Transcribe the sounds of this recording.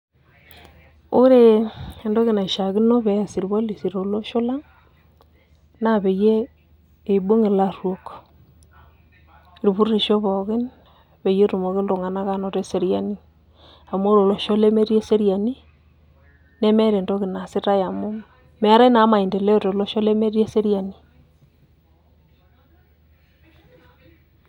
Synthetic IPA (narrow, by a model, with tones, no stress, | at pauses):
o˦ɾe˦˨e˨ndo˦ɣi˨na˨ʃa˨ɣi˦no˦βɛ˨ja˨si˨ɾi˨βo˦li˨si˨ɾo˨lo˦ʃo˦la˦ŋ | na˦βe˨jeː˦˨ | bo˦ŋe˨la˦ɾwo˨k | i˨ɾi˨βu˦ɾe˨ʃo˦βɔ˨ɣɪ˦n | βe˨je˦ɾu˨mo˨ɣɪ˦lo˨ŋa˨na˦ka˦no˨ɾe˦se˨ɾja˦ni˦ | a˨mo˦ɾo˨lo˨ʃo˦le˦me˦ɾi˦e˦se˦ɾia˨ni˦ | ne˦me˦ɾe˨ndo˦ɣe˨na˨se˦ta˦ja˨mo˦ | me˦a˦ɾe˦na˨˦ma˨i˨nde˨le˦o˦ɾo˨lo˦ʃo˦le˦me˦ɾi˦e˦se˦ɾja˨ni˨